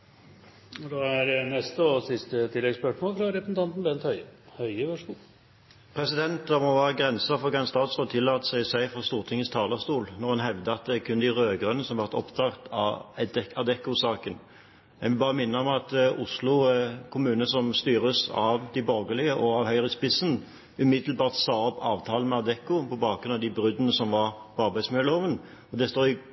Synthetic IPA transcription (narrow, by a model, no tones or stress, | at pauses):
d̪ɑæɾnɛst̪əɔsɪst̪ət̪ʰɪlːɛɡspœʂmoːlfɾɑɾɛpɾəsn̩t̪ɑnt̪n̩bɛnt̪hœʏhœʏəʋøʂkuːl | pʰɾɛsɪd̪ɛnt̪d̪ɑmɔʋæːʁəɡʁɛnsəfɔʁɡɛnst̪ɑːt̪sʁoːd̪t̪ʰɪlːɑːt̪ə̥sæɪsæɪfɔʁst̪uːʁt̪ʰɪŋːəst̪ʰɑːləʁst̪uːlnɔʁhɑnɦɛʋd̪əɑt̪̚d̪ɛkʰʉnɪʁøːɡʁœnːəsɔmʋɑʁt̪ɔpt̪ʰɑʁt̪ʰɑ | ɑd̪ɛkːʊsɑːkən | mɛ̰ʋɪlbɑːʁəmɪnːəɔmɑt̪ʊslʊkʰʊmʉːnəsɔmst̪yːʁəsɑ̰ʋd̪ɪbɔʁɡəlɪəʔɔɑʋhœʏʁəspɪsən | ʉmɪd̪lbɑːʁt̪sɑːɔpɑːʋt̪ʰɑːlən̩mɛɑd̪ɛkːʊpʰɔbɑːɡɾʉnɑʋd̪ɪbɾʉd̪ənəsɔmʋɑʁpʰɔɑʁbæɪd̪smɪlloːʋən | ɔd̪ɛst̪oːɪ